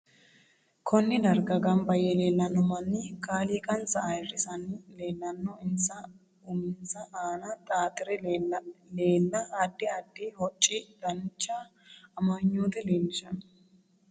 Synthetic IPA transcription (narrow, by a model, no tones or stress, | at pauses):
kʰɔnːɪd̪ɐɾɡɐɡɐmbɐjɛle̞ːlːɐnːɔmɐnːɪkʼaːliːkʼɐnt͡sɐɐjrɪsɐnle̞ːlːɐnːɔɪnsɐ | ʊmɪnsɐʔaːnɐt̪ʼaːt̪ʼɪɾɛ | le̞ːlːɐːd̪ːɪɐd̪ːɪhɔt͡ʃʼːɪd̪̥ɐnt͡ʃːaː | mɐɲːoːt̪ɛleːlːɪʃɐn